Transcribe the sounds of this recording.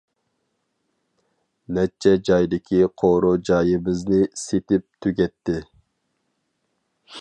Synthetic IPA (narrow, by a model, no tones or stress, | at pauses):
nɛt͡ʃʰːɛd͡ʒɑjd̪ɪkʲʰiqʰoɾud͡ʒɑːjɪbɪznɪset̪ɪp̚t̪ʰyɡʲɛt̪ːɪ